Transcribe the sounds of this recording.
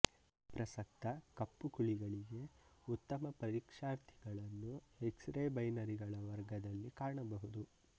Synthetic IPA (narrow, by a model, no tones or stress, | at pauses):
pɾɐsɐk̚t̪ɐkɐpːukuɭiɡɐɭiɡe̞ut̪ːɐmɐpɐɾikʂaːɾt̪ʰiɡɐɭɐnːueksɾeːbɐjnɐɾiɡɐɭɐʋɐɾɡɐd̪ɐlːikaːɳɐbɐɦud̪u